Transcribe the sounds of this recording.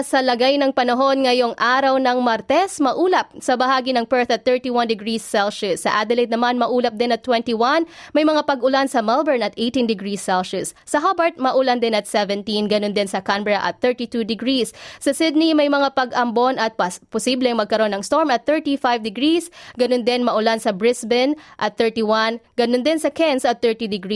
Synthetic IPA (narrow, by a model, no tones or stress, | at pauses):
sɐlɐɡajnɐŋpɐnɐɦo̞nŋɐjoŋʔaːɾɐwnɐŋmɐɾt̪ɛsmɐʔuːlɐp̚sɐbɐɦaːɡinɐŋpɛɹt̪ɐt̪̚θɛɹt̪iwand̪ɪɡɹisːɛlʃʊsːɐʔad̪ɛlejd̪nɐmanmɐʔuːlɐp̚d̪ɛnɐt̪ːwɛnt̪iwanmɐjmɐŋapɐɡʊlansɐmalbɛɹnɐt̪ʔejt̪ind̪ɪɡɹisːɛlʃʊsːɐɦabɐɹt̪̚mɐʔʊland̪ɪnɐt̪̚sɛvɛnt̪inɡɐnond̪ɪnsɐkanbɹɐʔɐ̰t̪̚θɛɹt̪it̪ud̪ɪɡɹisːɐsɪd̪̚nimɐjmɐŋapɐɡʔɐmbonɐt̪̚pɐpʊsiblɛŋmɐɡ̚kɐɾo̞nɐŋst̪oɹmɐt̪̚θɛɹt̪ifajvd̪ɪɡɹisɡɐnond̪ɛnmɐʔʊlansɐbɹɪsbɪnʔɐt̪̚θɛɹt̪iwanɡ̥ɐnond̪ɪnsɐkɛnsɐt̪̚θɛɹt̪id̪ɪɡɹi